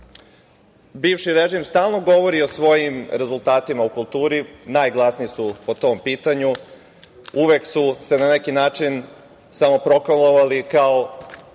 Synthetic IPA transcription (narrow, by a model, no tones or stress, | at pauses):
biːʋʃiɾe̞ʒimst̪aːlˠno̞ɡo̞ʋo̞ɾio̞sʋo̞jimɾe̞zulˠt̪aːt̪imaukulˠt̪uːɾinajɡlˠasniisupo̞t̪o̞mpiːt̪aɲu | uʋeksuse̞nane̞kinaːt͡ʃin | samo̞pɾo̞klalˠoʋalikao